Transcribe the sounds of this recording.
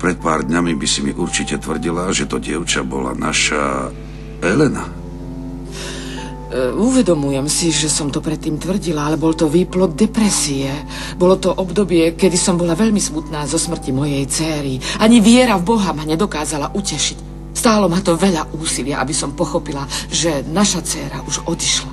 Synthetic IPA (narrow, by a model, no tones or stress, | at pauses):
pɾɛt̪̚pa̰ːɾd̪ɲamibisimiʔuɾt͡ʃicɛt̪ʋr̩ɟilaʒɛt̪ɔɟɪɛʊt͡ʃabɔ̰la̰naʃa̰ | ɛlɛna̰ | uʋɛd̪ɔmujɛmsiʒɛsɔmt̪ɔpɾɛt̪ːiːmt̪ʋr̩ɟilaalɛbɔlt̪ɔʋiːplɔd̪̚d̪ɛpɾɛsiɛ | bɔlɔt̪ɔʔɔbd̪ɔbɪɛkɛd̪isɔmbɔlaʋɛʎmismut̪naːzɔsmr̩cimɔjɛjt͡sɛːɾiaɲiʋɪɛɾavbɔɦamaɲɛd̪ɔkaːzalaʔucɛʃic | st̪aːlɔmat̪ɔʋɛʎaʔuːsilɪaʔabisɔmpɔxɔpilaʒɛnaʃat͡sɛːɾaʔuʒɔd̪iʃla